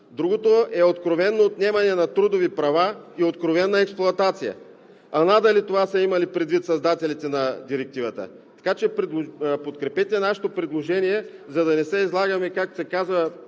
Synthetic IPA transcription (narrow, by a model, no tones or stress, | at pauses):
d̪ɾuɡot̪oɛot̪kɾovɛnːoːt̪nɛmɐnɛnɐt̪ɾud̪ovipɾɐvaiot̪kɾovɛnːɐɛksplˠʊɐt̪at̪sijə̰ | ɐnad̪ɐlit̪ovasɐimɐlipɾɛd̪vit̪sɐzd̪at̪ɛlit̪ɛnɐd̪iɾɛk̚t̪ivət̪ə̰ | t̪ɐ̥kat͡ʃɛpɾipot̪kɾɛpɛt̪ɛnaʃɛ̥t̪opɾid̪lˠoʒɛnijɛzɐd̪ɐnɛsɛizlˠaɡɐmɛkak̚t̪o̥sɛkazvɐ